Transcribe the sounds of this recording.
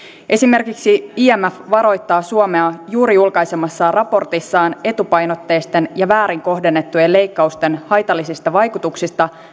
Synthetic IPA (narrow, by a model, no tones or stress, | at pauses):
ʔe̞sime̞rkiksiiːæmæfʋɑɾo̞jt̪ːɑːsuome̞ɑjuːɾijulkɑjse̞mɑsːɑrɑpo̞rt̪isːɑːne̞t̪upɑjno̞t̪ːe̞ːst̪e̞njɑʋæːɾiŋko̞ɦde̞nːe̞t̪ːujelːe̞jkːɑust̪e̞nhɑjt̪ɑlːisist̪ɑʋɑjkut̪uksist̪ɑ